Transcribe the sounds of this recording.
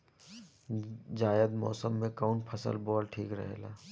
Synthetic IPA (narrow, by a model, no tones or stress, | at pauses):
d͡ʒaːjəd̪mɔːsəmːẽkaʊɳʈpʰɐsə̰lbɔːlʈʰiːkɾə̰ɦeːlaː